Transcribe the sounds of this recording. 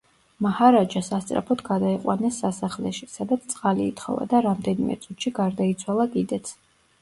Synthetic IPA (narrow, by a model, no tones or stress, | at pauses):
mahaɾad͡ʒasast̪sʼɾa̰pʰɔt̪ʰɡad̪aiqʼwa̰nɛsːasaχlɛʃisad̪at̪sʰt̪sʼqʼaliːt̪ʰχɔ̰va̰d̪aɾamd̪ɛnimɛ̰t̪sʼut̪ʃiɡaɾd̪ait̪sʰwalˠakʼid̪ɛt̪sʰ